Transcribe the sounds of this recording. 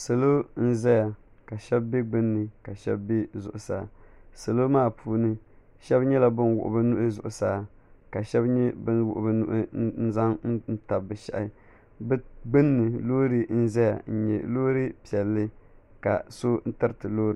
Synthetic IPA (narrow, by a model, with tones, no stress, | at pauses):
sa˨lo˦n̩˦zɛ˦ja˨ | ka˨ʃɛ˦bbe˦ɡ͡bɨ˦nːɨ˨ka˨ʃɛ̰˦bːe˦zʊ̰˨ʔʊ˨sa̰ː˨sa˨lo˦maː˦˨pʰuː˦nɨ˦ | ʃɛ˦bɲɛ˦la˨bɨ˦nwʊ̰˨ʔʊ̰˨bɨ˦nʊ˦ʔɨ˦zʊ̰˨ʔʊ˨saː˦˨˦ | ka˨ʃɛ˦bɲɛ˦bɨ˦nwʊ̰˨ʔʊ̰˨bɨ˦nʊ̰˦ʔɨ˦n̩˦za˦ŋn̩˦n̩˦ta˨bːɨ˨ʃa̰˦ʔɪ˦ | bɨ˦ɡ͡bɨ˦nːɨ˨loː˦ɾɨ˦n̩˦zɛ˦ja̰˨n̩˦ɲɛ̰˨loː˦ɾɨ˦pi˨ɛ˨lːɨ˦ | ka̰˨so˦n̩˦tɨ˦ɾtɨ˨loː˦ɾɨ˨